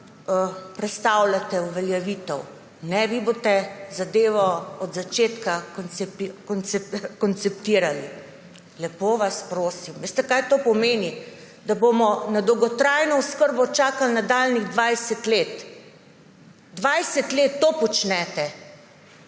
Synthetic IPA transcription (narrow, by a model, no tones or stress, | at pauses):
əpɾɛt̪st̪awlat̪ɛuʋɛljɛʋiːt̪ɛw | nɛʋiboːt̪ɛzad̪eːʋɔɔd̪zat͡ʃeːt̪kanɛpkɔnt̪skɔnt̪sɛpt̪iːɾali | lɛpoʋaspɾoːsimʋeːst̪ɛkajt̪oːpɔmeːni | d̪aboːmɔnad̪ɔwɡɔt̪ɾajnɔʊskəɾbɔt͡ʃaːkalnad̪alniɣd̪ʋajsɛt̪leːt̪ | d̪ʋajsɛt̪leːt̪ːopɔt͡ʃnɛt̪ɛ